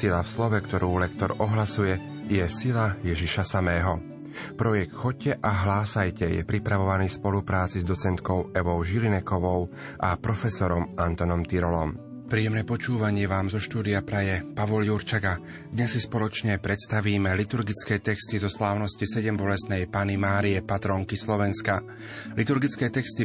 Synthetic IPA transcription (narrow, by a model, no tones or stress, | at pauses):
silafslɔʋɛkt̪ɔɾuːlɛkt̪ɔɾɔɦlasujɛ | jɛsilajɛʒiʃasamɛːɦɔ | pɾɔjɛk̚t̪xɔcːɛʔaɦlaːsajcɛjɛ̰pɾipɾaʋɔʋaniːspɔlupɾaːt͡sizd̪ɔt͡sɛnt̪kɔʊɛʋɔʊʒilinɛkɔʋɔʊ | ʔapɾɔfɛsɔɾɔmʔant̪ɔnɔmt̪iɾɔlɔm | pɾiːjɛmnɛpɔt͡ʃuːʋaɲɪɛʋaːmzɔʃt̪uːd̪iapɾajɛpaʋɔljuɾt͡ʃaɡa | d̪ɲɛssispɔlɔt͡ʃɲɛpɾɛt̪st̪aʋiːmɛlit̪uɾɡit͡skɛːt̪ɛkst̪izɔslaːʊnɔscisɛɟɛmbɔlɛsnɛjpanimaːɾiɛpat̪ɾɔŋkislɔʋɛnska | lit̪uɾɡit͡skɛːt̪ɛkst̪i